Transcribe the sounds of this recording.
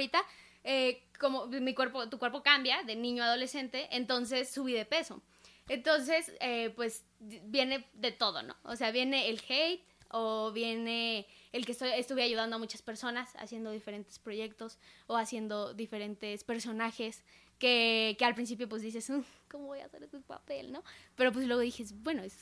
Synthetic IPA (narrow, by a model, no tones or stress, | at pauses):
ɾit̪a | eko̞momikwe̞ɾpot̪ukwe̞ɾpo̞kambjaðe̞nĩɲoaðo̞le̞se̞nt̪e̞ʔent̪o̞ns̬e̞sːuβiðe̞pe̞so̞̰ | ent̪o̞ns̬e̞sepwe̞s | bje̞ne̞ðe̞t̪o̞ðo̰no̰o̰seaβje̞ne̞ːlxejt̪oβje̞neːlkest̪ojest̪uβeaʝuð̞and̪oamut͡ʃaspe̞ɾso̞nasa̰sje̞nd̪o̞ðife̞ɾe̞nt̪e̞spɾo̞ʝe̞k̚t̪o̞soasje̞nd̪o̞ðife̞ɾe̞nt̪espe̞ɾso̞naxes | kekealpɾins̬ipjo̞pwe̞zðis̬e̞sukomoβoja̰seɾet̪epa̰pelno̞pe̞ɾo̞p̬we̞slwe̞ɣo̞ðixesbwe̞noes